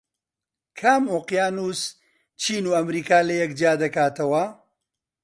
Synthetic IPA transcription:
kʰaːmoqjaːnus | t͡ʃʰiːnuːɐmɾiːkaːlɐjɐkd͡ʒaːd̪ɐkaːt̪ɐwɐ

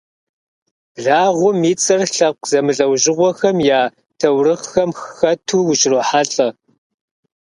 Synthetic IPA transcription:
ɮaːʁʷʊmiːt͡sʼɐrɬɐqʷzɐmɨɮʼɐwʑɪʁʷɔxɐmjaː | tʰɐwrɨχxɐmxxɐtʰuːwʊt͡ʃʼroːħaɬʼɐ

